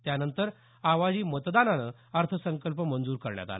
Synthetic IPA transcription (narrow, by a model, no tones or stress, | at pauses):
t̪janənt̪əɾ | aʋad͡ʑiːmət̪d̪ananə | əɾt̪ʰəsəŋkəlpəmənd͡zuːɾkəɾɳja̰t̪a̰la